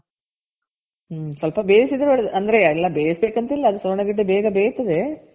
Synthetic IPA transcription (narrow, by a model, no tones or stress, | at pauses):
sɐlpɐbeːjɐsid̪ɐɾɐʋɐɭd̪ʔɐnd̪ɐɾe̞ilːɐbeːjɐsbeːkɐnt̪ɐilːɐːd̪usoɾɳɐɡiʈːebeːɡɐbeːjt̪ːɐd̪e